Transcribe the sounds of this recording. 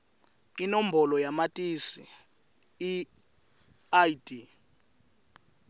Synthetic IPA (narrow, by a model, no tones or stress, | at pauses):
inɔm̩bʱɔlɔjamatʼisiː | aidi